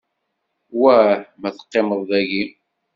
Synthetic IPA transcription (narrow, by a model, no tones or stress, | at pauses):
wæħmæθə̥qːeməðˤðæʝi